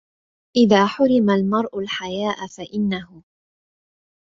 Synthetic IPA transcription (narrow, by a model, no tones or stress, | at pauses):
ʔɪðaːħʊɾɪmalmɑɾˤʔʊlħajaːʔfaʔɪnːaɦʊ